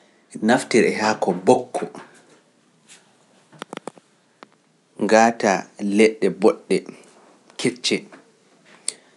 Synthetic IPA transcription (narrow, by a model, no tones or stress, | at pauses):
naftiɾɛhakɔbɔkʰːɔ | ŋɡaːtalɛɗːɛbɔɗːɛ | kʰeɾt͡ʃɛ